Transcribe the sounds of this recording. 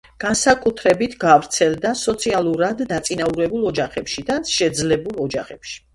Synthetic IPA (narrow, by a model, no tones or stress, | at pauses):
ɡ̥ansakʼut̪ʰɾɛbit̪ʰɡavɾt̪sʰɛlˠd̪asɔt̪sʰialˠuɾad̪ːat̪sʼinauɾɛbulˠɔd͡ʒaχɛpʃid̪aʃɛd̪zlɛbulˠɔd͡ʒaχɛpʃi̥